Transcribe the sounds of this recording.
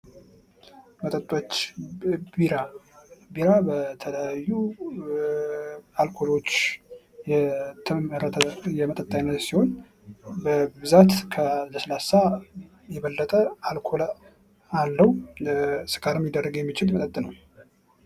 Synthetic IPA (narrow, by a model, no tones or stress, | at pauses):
mət̪ʼət̪ʼːot͡ʃː | iɾabiɾabət̪ʰələjajːu | alkʰo̞lo̞t͡ʃː | jɛt̪ʰɨmɨɾət̪ʰəjɛmət̪ʼət̪ʼːajnːət̪siho̞n | bəbɨzat̪kʰəzəsəlasa | jɛβəlːət̪ʼəalkʰol | alːəw | sɨ̥kʰaɾɨmjɪd̪ərːəɡjɛmːit͡ʃɪlmət̪ʼət̪ʼːɨnəw